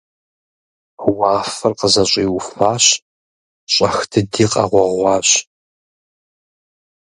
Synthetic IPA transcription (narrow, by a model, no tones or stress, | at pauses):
wɑːfɨrqəzɐɕʷʼiːwʊfaːɕ | ɕʼɐxtʰɨdiːqʼɑ̰ʁʷɔʁʷɑːɕ